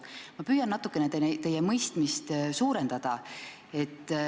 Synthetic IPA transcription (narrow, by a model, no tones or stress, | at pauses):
mɑpyːjɑnːɑt̪ukːˑenet̪et̪e̞jːemɤjst̪mist̪suːɾe̞nd̪̥ɑd̪̥ɑ | e̞t̪ː